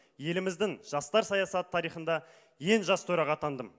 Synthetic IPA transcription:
je̞lɪmɪzd̪ɪŋʒ̥ɑst̪ɑɾsɑjɑsɑt̪ʰːɑɾijχənd̪ɑ | je̞nʒɑst̪ʰɵɾɑʁɑt̪ʰɑnd̪əm

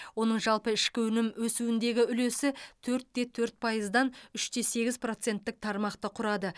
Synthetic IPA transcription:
wo̞nəɴʒɑlˠpəɪʃkʲɪwɵnɪmwɵsuɪnd̪e̞ɡʲɪʏle̞sɪt̪ʰɵɾt̪ːe̞t̪ʰɵɾt̪̚pʰɑjəzd̪ɑnʏʃt̪ʰe̞se̞ɡʲɪzpro̞t̪se̞nt̪ːɪk̚t̪ʰɑɾmɑqt̪əqʰʊɾɑd̪ə

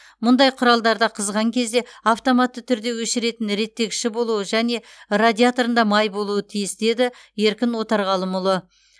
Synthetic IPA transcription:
mʊnd̪ɑjqʰʊɾɑlˠd̪ɑɾd̪ɑqʰəzʁɑŋkʲʰe̞zd̪e̞aft̪o̞mat̪ːət̪ʰʏɾd̪e̞wɵʃɪɾe̞t̪ɪnɾe̞t̪ːe̞kʲʃɪbo̞lˠuəʒæne̞ | rad̪ʲiat̪oɾənd̪ɑmɑjbo̞lˠuət̪ʰijɪsd̪e̞d̪ɪje̞ɾkʲɪnwo̞t̪ɑɾʁɑlˠəmʊlˠə

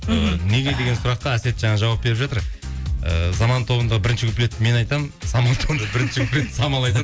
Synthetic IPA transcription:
əne̞ɡʲe̞jd̪e̞ɡʲe̞nsʊɾɑq̚ːɑæse̞t̪ʒɑɴɑʒɑwɑp̚be̞ɾɪpʒɑt̪əɾə̰zɑmɑnt̪ʰo̞bənd̪əʁəbɪɾɪnʃɪkʰʲʏple̞t̪ːme̞nɑjt̪ɑmnsɑmɑlˠt̪ʰobənd̪ʁbɪɾɪnʃɪkʲʰple̞t̪ːsɑmɑlˠɑjt̪ɑ

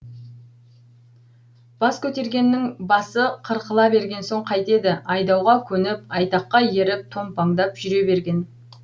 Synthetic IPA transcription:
b̥ɑskʲʰɵt̪e̞ɾɡʲe̞nːɪŋbɑsəqʰəɾqəlˠɑbe̞ɾɡʲe̞nso̞ɴqʰɑjt̪e̞d̪ɪɑjd̪ɑwʁɑkʲʰɵnɪp̚ɑjt̪ɑqːɑje̞ɾɪp̚t̪ʰo̞mpɑŋd̪ɑpʒ̥ʏɾe̞be̞ɾɡʲe̞n

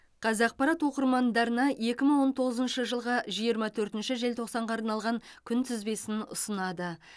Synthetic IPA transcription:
qʰɑzɑq̚pɑɾɑt̪wo̞qəɾmɑnd̪ɑɾənɑje̞kʲɪməɴwo̞nt̪ʰo̞ʁəzənʃəʒəlˠʁɑʒijəɾmɑt̪ʰɵɾt̪ɪnʃɪʒe̞lt̪ʰo̞qsɑɴʁɑːɾnɑlˠʁɑŋkʲʰʏnt̪ʰɪzbe̞sɪnʊ̰sənɑd̪ə

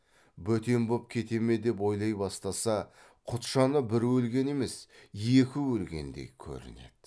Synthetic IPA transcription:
bɵt̪e̞mbop̚kʲʰe̞t̪e̞me̞d̪e̞p̬o̞jlˠɑjbɑst̪ɑsɑ | qʰʊt̪ʃɑnəbɪɾwɵlɡʲe̞ne̞me̞sje̞kʲɪwɵlɡʲe̞̰nd̪e̞̰kʲʰɵ̰ɾɪ̰ne̞̰d̪̥

